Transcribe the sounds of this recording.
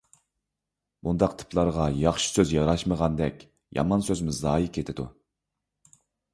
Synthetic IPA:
mund̪ɑqt̪ʰɨ̥pʰlˠɑɾʁɑjɑχʃi̥søzjɑɾɑʃməʁɑnd̪ɛ̰kʲ | jʔɑ̰mɑnsøzmɪzɑːjikʲʰet̪ʰɪd̪ṵ

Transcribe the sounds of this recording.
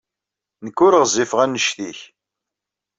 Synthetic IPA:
nəkːʊɾəʁzifəʁænːəʃθiç

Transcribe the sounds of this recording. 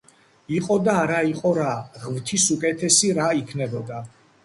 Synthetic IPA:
iqʼɔd̪aːɾaiqʼɔɾaʁmt̪ʰisukʼɛt̪ʰɛsiɾaikʰnɛbɔd̪a

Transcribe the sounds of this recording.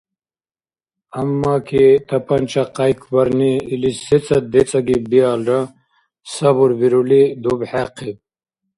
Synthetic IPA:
ɐmːaːkʰit̪ʰɐpɐnt͡ʃaqajkʰwɐɾniːlisit͡sɐd̪et͡sɐɡibiaːlɾɐ | sɐbuɾbiɾulid̪ubħaqʰib̚

